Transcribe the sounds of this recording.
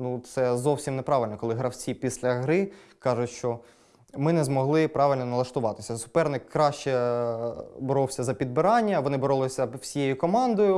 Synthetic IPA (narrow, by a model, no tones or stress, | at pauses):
nut̪sɛzɔwsʲimnɛpɾɑʋɪlʲnɔkɔlˠɪɦɾɐwt͡sʲipʲisʲlʲɐɦɾɪkɑʒʊtʲʃt͡ʃɔ | mɪnɛzmɔɦlˠɪpɾɑʋɪlʲnɔnɐlˠɐʃt̪ʊʋɑt̪ɪsʲɐsʊ̥pɛrnɪkːɾɑʃt͡ʃɛ | bɔɾɔwsʲɐzɐpʲid̪̚bɪɾɑnʲːɐʋɔnɪbɔɾɔlˠɪsʲɐwsʲijejʊkɔmɑnd̪ɔjʊ